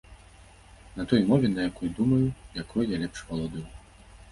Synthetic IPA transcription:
nɐt̪ɔjmɔvʲɛnɐjakɔjd̪umɐjujakʰɔjjalʲɛpʂvɐlˠɔd̪ɨw

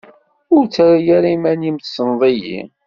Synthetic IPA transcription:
ʊɾt͡sːaɾajaɾimænjimθsənðˤijḭ

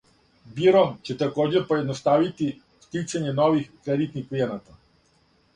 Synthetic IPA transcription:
biɾɔmt͡ɕɛt̪akɔd͡ʑɛɾpɔɛd̪nɔst̪aʋit̪i | ft̪it͡ʃaɲɛnɔʋixkɾɛd̪it̪niklijɛnat̪a

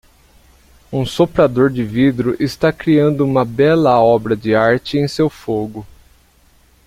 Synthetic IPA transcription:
ũsopɾad̪oɾd͡ʒɪvid̪ɾʊʔɪst̪akɾiɐ̃nd̪ʊũmɐbɛlɐɔbɾɐd͡ʒɪaɾt͡ʃɪẽj̃sewfoɡʊ

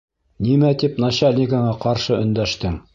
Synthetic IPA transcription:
nimæt̪ipnaɕalʲnʲiɡaɴɑqɑɾʃɤɵ̆nd̪æʃt̪ɘŋ

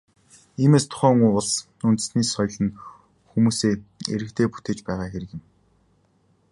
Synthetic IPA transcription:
iːmeːst̪ʰʊ̥χœːŋuːʊɮs | unt̪̆sniːsɔjɮə̆n | xumuːseːḛɾɘ̆kt̪ʰeːpu̥t̪eːt͡ɕpæːʁaːxeɾɘ̆kjɪ̆m

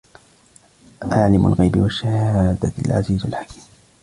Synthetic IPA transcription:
ʔaʕlɪma̰lɣajbɪwaʃːahaːd̪aalʕa̰ziːzalħakʰi̥ːm

